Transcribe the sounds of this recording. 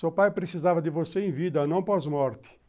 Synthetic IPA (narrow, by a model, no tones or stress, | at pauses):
sɔpajpɾet͡ʃizaːvad̪ivoseiɱviːd̪anɔ̃mpɔzmɔɾt̪i̥